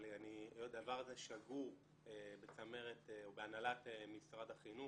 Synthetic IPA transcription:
lianiodavaʁazeʃaɡuʁ | ebet͡same̞ʁet̪eobeanalat̪emisʁadaχinu

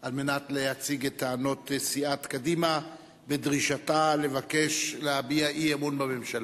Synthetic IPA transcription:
ʔalme̞natlehat͡siɡet̪aːno̞tsiatkadima | bedʁiʃatale̞vake̞ʃleabiaʔiemunbame̞mʃala

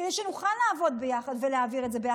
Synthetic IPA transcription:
d̪ejʃenuχallaːvo̞d̪bejaχad̪veleaviʁe̞tze̞beja

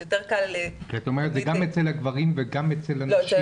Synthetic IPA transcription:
jot̪eʁkalkeat̪aomeʁet̪zeɡamet͡selhaɡvaʁimveɡamet͡selhanʃ

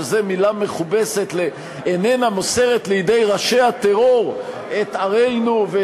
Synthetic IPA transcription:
zemilame̞χubeset̪le | enenamose̞ʁet̪lejid̪ejʁaʃe̞hat̪eʁo̞ʁ | et̪aʁejnuve

